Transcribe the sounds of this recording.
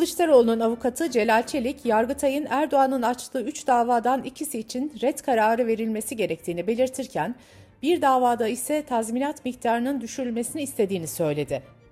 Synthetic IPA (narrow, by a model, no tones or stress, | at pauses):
lˠɯʃt̪aɾo̞lˠununavukʰat̪ʰɯd͡ʒe̞lʲalʲt͡ʃʰelʲicjaɾɡɯt̪ʰajɯnæɾd̪o̞anɯnat͡ʃlˠɯːyt͡ʃd̪aːvaːd̪anicʰisiːt͡ʃʰinɾɛt̪kʰaɾaːɾɯve̞ɾilʲme̞siɟe̞ɾɛc̚t̪ʰiːnibe̞lʲiɾt̪ʰiɾcʰæn | biɾd̪aːvaːd̪aisɛt̪ʰazminat̪mict̪ʰaːɾɯnɯnd̪yʃyɾylʲme̞siniːst̪ʰe̞d̪iːnisø̞jlʲe̞d̪ɪ